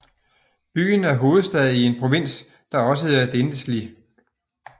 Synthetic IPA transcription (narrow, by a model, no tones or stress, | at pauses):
b̥y̰ːn̩æɐɦo̝ːð̞̩ˠsd̥ɛðˠie̝npʰʁoʋe̝n̰s | d̥ɑ̈ɒ̽s̬əæɐd̥end̥əsli